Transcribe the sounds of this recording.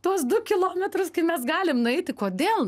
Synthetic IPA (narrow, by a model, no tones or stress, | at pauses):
t̪uɔsd̪ʊkʲɪlˠoːmʲɛt̪ɾʊskɐɪmʲɛsɡɑːlʲɪmnʊɛɪt̪ʲɪkoːd̪ʲeːlˠ